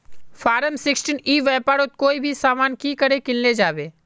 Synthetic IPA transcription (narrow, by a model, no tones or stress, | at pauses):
faːɾəmsɪksʈiːniːʋɛːpaːɾot̪̚koːibʱisaːmaːnkiːkəɾekɪlled͡ʒaːbeː